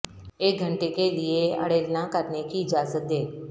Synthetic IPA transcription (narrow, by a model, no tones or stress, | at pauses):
eːk̚ɡʱəɳʈekelieə̰ɽeːlnakəɾnekiɪd͡ʒaːzət̪̚d̪eː